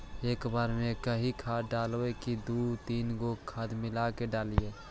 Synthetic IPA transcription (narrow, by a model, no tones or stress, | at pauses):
eːkbaːɾmẽkəɦikʰaɖaːlekid̪ut̪iːnɡokʰad̪mɪlakeɖaːlije